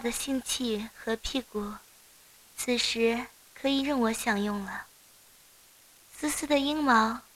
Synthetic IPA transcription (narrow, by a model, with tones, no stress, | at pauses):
d̪ə˩ɕi˥˧ŋt͡ɕʰi˥˩xɤ˧˥pʰi˥˩ku˨˩ | t͡sʰɹ̩˨˩ʂɻ̩˧˥ | kʰɤ˧˥i˨˩ɻə˥˩nwɔ˧˥ɕjɑ˨˩ŋjʊ˥˩ŋlə˩ | s̩˥sɹ̩˥d̪ə˨i˥ŋmɑ˧˥ʊ